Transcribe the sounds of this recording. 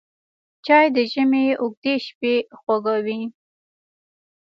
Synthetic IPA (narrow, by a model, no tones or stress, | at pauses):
t͡ʃɑjd̪əʒəmeʊɡ̚d̪eʃpexwaɡawi